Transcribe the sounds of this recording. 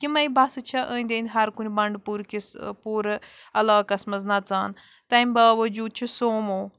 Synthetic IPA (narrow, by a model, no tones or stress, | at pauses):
kimɐjbɐsɨt͡ʃʰɐʔəːnʲd̪end̪ʲɦɐɾkunʲibɐɳɖpuɾkispuːɾ | ɐlaːkɐsmɐznɐt͡saːn | t̪ɐmʲbaːʋɐd͡ʒuːd̪̚t͡ʃʰisoːmoː